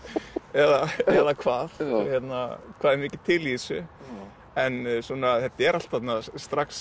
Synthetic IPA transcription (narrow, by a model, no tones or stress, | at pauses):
ɛðaɛðakʰvaːðçɛt̪nakʰvaːðɛɾmɪːcɪt̪ʰɪlisʏ | ɛnsunaθɛt̪ːaɛɾal̥t̪θat̪nast̪ɾaks